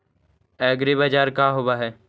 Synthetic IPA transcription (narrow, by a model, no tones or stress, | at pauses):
ɛːɡɾibəd͡ʒaːɾkaːɦobaːɦɛː